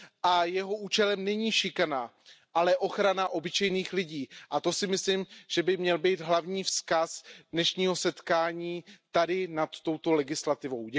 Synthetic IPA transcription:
ʔajɛɦo̞ʔuːt͡ʃɛlɛmnɛɲiːʃɪkana | ʔalɛʔo̞xɾanaʔo̞bɪt͡ʃɛjniːxlɪɟiːʔat̪o̞sɪmɪslɪmʒ̥ɛbɪmɲɛlbiːd̪ɦlavɲiːfskasdnɛʃɲiːɦo̞sɛt̪kaːɲiːt̪adɪnat̪ːo̞wt̪o̞lɛɡɪslat̪ɪvo̞wɟɛ

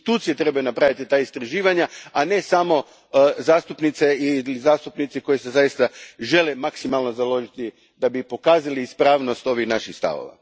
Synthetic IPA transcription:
t̪uːt̪sije̞t̪ɾe̞bajunapɾaʋit̪it̪aːist̪ɾaʒiːʋaɲaane̞samo̞ | zaːst̪upnit̪seilizaːst̪upnit̪siko̞jisezajist̪aʒe̞lemaksimalˠno̞zalˠo̞ʒit̪i | d̪abipo̞kaːzaliːspɾaːʋno̞st̪o̞ʋixnaʃixst̪a̰ʋo̰ʋa̰

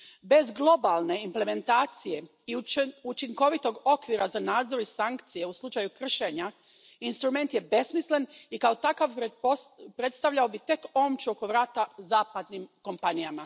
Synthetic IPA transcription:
be̞zɡlˠo̞balˠne̞imple̞me̞nt̪aːt̪sije̞ | iut͡ʃiŋko̞ʋit̪o̞ɡo̞kʋiɾazanaːd̪zo̞ɾisaŋkt̪sije̞uslˠut͡ʃajukr̩ʃe̞ɲa | inst̪ɾume̞nt̪je̞be̞smislenikaot̪akaʋ | pɾe̞t̪st̪aʋʎao̞bit̪e̞ko̞ːmt͡ʃuoko̞ʋɾaːt̪azaːpad̪nimko̞mpanijama

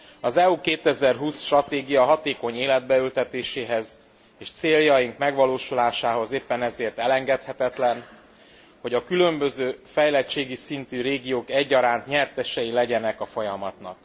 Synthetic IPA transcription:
ɒzɛukeːt̪ɛzɛrɦuːsʃt̪rɒt̪eːɡijɒɦɒt̪eːko̞ɲeːlɛd̪̚bɛylt̪ɛt̪eːʃeːɦɛz | eːʃt̪seːljɒjiŋkmɛɡʋɒloːʃulaːʃaːɦo̞zeːpːɛnɛzeːrt̪ɛlɛŋɡɛt̪hɛt̪ɛt̪lɛn | ho̞ɟɒkylø̞mbø̞zøːfɛjlɛt͡ʃːeːɡisint̪yɾeːɡijoːkɛɟːɒɾaːnt̪ɲɛrt̪ɛʃɛjilɛɟɛnɛkɒfo̞jɒmɒt̪nɒ̰k̚

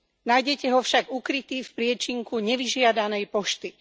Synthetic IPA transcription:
najɟɛcɛɦɔfʃaɡukɾit̪iːfpɾɪɛt͡ʃiŋkuɲɛʋiʒɪad̪anɛjpɔʃt̪i

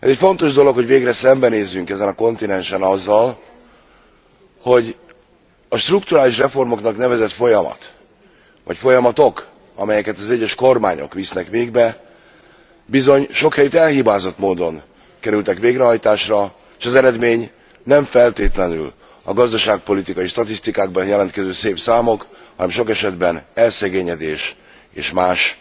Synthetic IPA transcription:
ɛ̰zɛcfo̞nt̪o̞ʒd̪o̞lo̞khoɟveːɡrɛsɛmbɛneːzːyŋkɛzɛnɒko̞nt̪inɛnʃɛnɒzːɒl | ho̞ɟ | ɒʃt̪rukt̪uɾaːliʃrɛfo̞rmo̞knɒknɛvɛzɛt̪fo̞jɒmɒ̰t̪ | vɒ̰cfo̞jɒmɒt̪o̞k | ɒ̰mɛjɛkɛt̪ɒzɛɟːɛʃko̞rma̰ːɲo̞̰kʋisnɛkʋeːɡbɛ | bizo̞ɲʃo̞khɛjyt̪ɛlhibaːzo̞t̪moːd̪o̞n | kɛɾylt̪ɛkʋeːɡɾɛɦɒjt̪aːʃrɒ | eʃɒzɛɾɛd̪meːɲ | nɛɱfɛlt̪eːt̪lɛny̰l | ɒ̰ɡɒzd̪ɒʃaːk̚po̞lit̪ikɒjiʃt̪ɒt̪ist̪ikaːɡ̚bɒnjɛlɛnt̪̚kɛzøːseːpsaːmo̞khɒnɛmʃo̞kɛʃɛd̪bɛnɛlsɛɡeːɲɛd̪eːʃ | ḛːʃmaːʃ

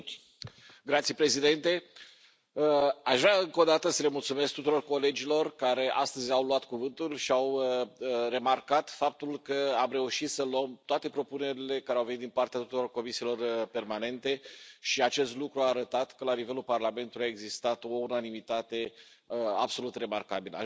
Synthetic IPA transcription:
ɡɾat̪siepɾe̞zid̪e̞nt̪e̞ | əaʃvɾaɨŋko̞d̪at̪əsəle̞mult̪sume̞sk̚t̪ut̪uɾo̞rko̞le̞d͡ʒilo̞rkaɾe̞ʔa̰st̪əzʲawluat̪kuvɨnt̪ulʃiawəre̞markat̪fap̚t̪ulkəamɾe̞uʃit̪səluəmt̪oat̪e̞pɾo̞pune̞ɾile̞kaɾeawvenit̪d̪inpart̪eat̪u̥t̪uɾo̞rko̞misilo̞rpe̞rmane̞nt̪e̞ʃiat͡ʃe̞st̪lukɾuaːɾət̪at̪kəlanive̞lulparlame̞nt̪uliae̞ɡzist̪at̪o̞unanimit̪at̪e̞ | əa̰bso̞lut̪re̞markabilə̰

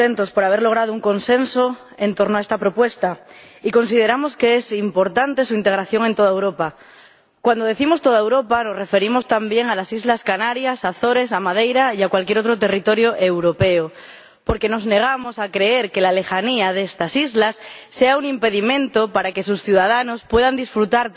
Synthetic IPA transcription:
ent̪o̞spo̞ɾaβ̞e̞ɾlo̞ɣ̞ɾað̞ouŋko̞nse̞nso | e̞nt̪o̞ɾnoaest̪apɾo̞pwe̞st̪a | iko̞nsið̞e̞ɾamo̞ske̞esimpo̞ɾt̪ant̪e̞suint̪e̞ɣɾaθjo̞ŋent̪o̞ð̞aewɾo̞pa | kwand̪oðe̞θimo̞st̪o̞ð̞aewɾo̞pano̞sre̞fe̞ɾimo̞st̪ambje̞ŋalasizlaskanaɾjasaθo̞ɾe̞s̬amað̞e̞jɾaiakwalkjeɾo̞t̪ɾot̪e̞rit̪o̞ɾjoʔe̞wɾo̞pe̞o | po̞ɾke̞no̞zne̞ɣ̞amo̞sakɾe̞e̞ɾke̞lale̞xaniaðest̪asizlasːeauŋimpe̞ðimẽ̞nt̪opaɾake̞susθjuðaðano̞spwe̞ðand̪isfɾut̪aɾ

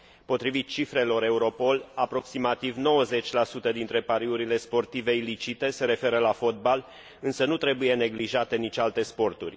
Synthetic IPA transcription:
po̞t̪ɾivit̪̚t͡ʃifɾe̞lo̞ɾe̞uɾo̞po̞lapɾo̞ksimat̪ivno̞wəze̞t͡ʃʲlasut̪əd̪int̪ɾe̞paɾiuɾile̞spo̞rt̪ive̞ilit͡ʃit̪e̞se̞ɾe̞fe̞ɾəlafo̞t̪̚bal | ɨnsənut̪ɾe̞buje̞ne̞ɡliʒat̪e̞nit͡ʃʲalt̪e̞spo̞rt̪urʲ

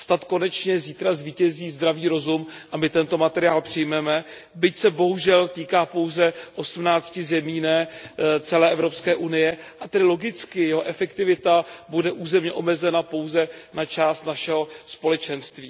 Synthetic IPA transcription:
st̪at̪ko̞nɛt͡ʃɲɛziːt̪ɾazviːcɛziːzd̪ɾaviːɾo̞zumʔamɪt̪ɛnt̪o̞mat̪ɛɾɪaːlpr̥ɪjmɛmɛ | bɪcsɛbo̞ɦuʒɛlt̪iːkaːpo̞wzɛʔo̞smnaːt͡scɪzɛmiːnɛːt͡sɛlɛːʔɛvɾo̞pskɛːʔunɪjɛʔat̪ɛdɪlo̞ɡɪt͡skɪjɛɦoʔɛfɛkt̪ɪvɪt̪abudɛʔuːzɛmɲɛʔo̞mɛzɛnapo̞wzɛnat͡ʃaːst̪naʃɛɦo̞spo̞lɛt͡ʃɛnst̪viː

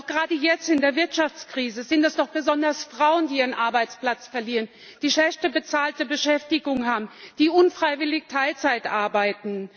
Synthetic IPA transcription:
aʊxɡ̥əʁaːdəjɛt͡stɪndeːɐvɪɐtʃaft͡skʁ̥iːzəzɪntɛsd̥ɔχb̥əzɔndɐsfʁ̥aʊəndiːʔiːʁənʔaɐbaɪt͡spl̥at͡sfɛɐliːʁən | d̥iːʃɛʃtəbət͡saːltəbəʃɛftɪɡʊŋənhaːbm̩d̥iːʔʊnfʁ̥aɪvɪlɪçtʰaɪlt͡saɪtʔaɐbaɪtn̩

